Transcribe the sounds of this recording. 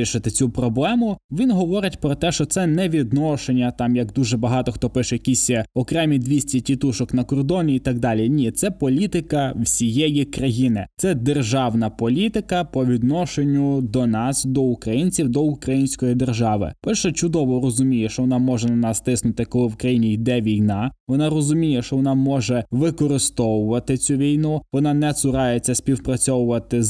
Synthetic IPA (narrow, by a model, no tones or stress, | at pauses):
iʃɪt̪ɪt͡sʲupɾɔblˠɛmʊʋʲinɦɔʋɔɾɪtʲpɾɔt̪ɛʃt͡ʃɔt̪sɛnɛʋʲid̪nɔʃenʲːɐt̪ɑmjɐɡd̪uʒɛbɐɦɑt̪ɔxt̪ɔpɪʃɛjɐkʲisʲɐɔkɾɛmʲid̪ʲʋʲisʲtʲitʲit̪uʃɔknɐkɔrd̪ɔnʲiːt̪ɑɡ̚d̪ɑlʲinʲit̪sɛpɔlʲit̪ɪkɐwsʲijɛjikɾɐjinɪt̪sɛd̪erʒɑwnɐpɔlʲit̪ɪkɐpɔʋʲid̪nɔʃenʲːʊd̪ɔnɑsd̪ɔʊkɾɐjinʲt͡sʲiwd̪ɔʊkɾɐjinʲsʲkɔjid̪erʒɑʋɪ̰pɛlʲʃɛt͡ʃʊd̪ɔʋɔrɔzʊmʲijɛʃt͡ʃɔʋɔnɑmɔʒɛnɐnɑst̪ɪsnʊt̪ɪkɔlˠɪwkɾɐjinʲijd̪ɛʋʲijnɑʋɔnɑrɔzʊmʲijɛʃt͡ʃɔʋɔnɑmɔʒɛʋɪkɔɾɪst̪ɔwʊʋɐt̪ɪt͡sʲuʋʲijnuʋɔnɑnɛt̪sʊɾɑjet͡sʲːɐsʲpʲiwpɾɐt͡sʲɔwʊʋɐt̪ɪz